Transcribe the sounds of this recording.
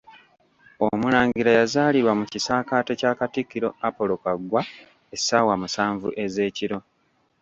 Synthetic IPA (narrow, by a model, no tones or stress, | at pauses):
omulaːɲɡiɾajazaːliɾwamucisaːkaːte̞caːkatikːiɾo̞apo̞lokaɡwa | esːawamusaːɱvṵʔe̞ze̞ːciɾo̞